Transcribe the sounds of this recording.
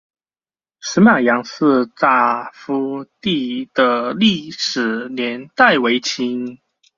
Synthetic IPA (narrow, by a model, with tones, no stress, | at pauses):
ʂɻ̩˧˥ma˨˩jɑ˧˦ŋsɹ̩˥˧t̪a˥˩fu˦t̪i˥˩d̪ə˨li˥˩˨ʂɻ̩˨˩njɛ˧˦nt̪a˥˩ɪwe˧˥ɪt͡ɕʰi˧˥ŋ